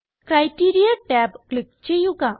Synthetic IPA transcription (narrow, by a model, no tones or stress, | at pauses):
kɾajʈiɾijaʈɛpklɪk̚t͡ʃejuka